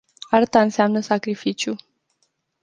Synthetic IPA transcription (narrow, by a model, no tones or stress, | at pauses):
art̪aɨnseamnəsakɾifit͡ʃju